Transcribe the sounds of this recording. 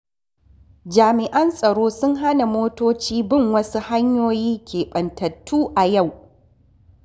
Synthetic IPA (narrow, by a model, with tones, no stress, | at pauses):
d͡ʒaː˨mɪ˨ʔɐ˦nsʼɐ˨ɽoː˦sʊ˦ŋɦa˦na˨moː˦toː˦t͡ʃiː˦bɪ˦˨ŋwɐ˦su˦ha˦ɲjoː˦jiː˦kʲeː˨ɓɐ˨ntɐ˨tʰːuː˦ʔa˨ja˦˨w